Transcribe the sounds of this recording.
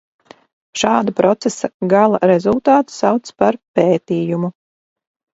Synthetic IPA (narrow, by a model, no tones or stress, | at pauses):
ʃɑːd̪apɾɔt̪sesaɡalˠaɾɛzulˠt̪ɑːt̪sawt̪spaɾpeːt̪iːjumu